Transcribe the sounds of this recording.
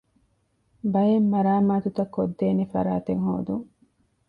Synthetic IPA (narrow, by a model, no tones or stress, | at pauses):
bɐjemːɐɾaːmaːt̪ut̪ɐkːod̪ːeːnefɐ̰ɾa̰ːt̪eŋho̰ːd̪uŋ